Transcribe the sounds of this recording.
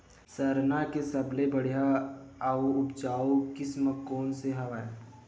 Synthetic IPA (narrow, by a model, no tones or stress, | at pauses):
səɾnakesɐblebəɽ̤ijaaoʊbt͡ʃaːokɪsməkːɔːnseɦɐʋaːe